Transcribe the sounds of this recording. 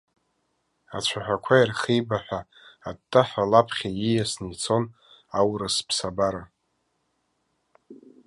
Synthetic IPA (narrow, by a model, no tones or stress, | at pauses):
at͡ʃʷʰaħʷᶣakʷʰajarχejbaħʷᶣaː | dtʼːaħʷᶣalapʰχʲajijasnit͡sʰo̞n | awrɨspʰsabaɾa